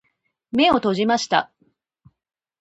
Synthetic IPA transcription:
me̞o̞t̪o̞ʑimaɕi̥t̪a̰

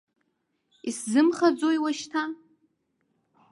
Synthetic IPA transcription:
iszɨmχad͡zojwaʃtʰa

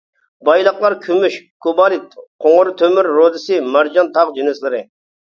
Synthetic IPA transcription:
bɑjlˠəqlˠɑɾkʲʰymyʃkʰobɑɾɪt̪̚qʰoŋʊɾɨt̪ʰømyɾːod̪ɪsɨmæɾd͡ʒɑnt̪ʰɑʁd͡ʒinɪslˠɪɾɪ

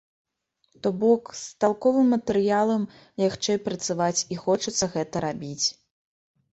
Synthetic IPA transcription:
t̪ɔbɔkst̪alˠkɔvɨmːɐt̪ɛɾɨjalˠɐm | lʲaxt͡ʂɛjpɾɐt̪savat͡sʲixɔt͡ʂɐt̪sːɐɣɛt̪ɐɾabʲit͡sʲ

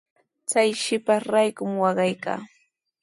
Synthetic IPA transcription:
t͡sajʃɪpaɾajkʊmwɑɢɑjka̰ː

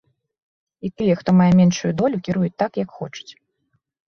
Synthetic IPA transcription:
it̪ɨjɛxt̪ɔmajɛmʲɛnʂujud̪ɔlʲukʲiɾujut͡sʲt̪akjɐkxɔt͡ʂu̥t͡sʲ

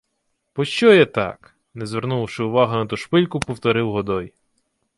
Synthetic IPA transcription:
pɔʃt͡ʃɔjɛt̪ɑ̰k | nɛzʋeɾnuʃɪʊʋɑɦɐnɐt̪uʃpɪlʲkʊpɔwt̪ɔɾɪwɦɔd̪ɔj

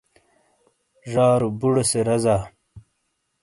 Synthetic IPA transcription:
ʐaːɾubuɽoseɾɐzaː

